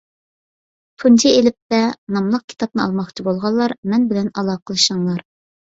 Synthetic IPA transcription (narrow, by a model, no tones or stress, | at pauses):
pʰund͡ʒ̪ʰielɪp̚t̪ɛnɑmlˠəq̚kʲʰi̥t̪ʰɑp̚nɨɑlˠmɑχt͡ʃʰibolˠʁɑlˠːɑɾmɛnbɪlɛnɑlˠɑːqʰəlˠɨʃɑŋlˠɑɾ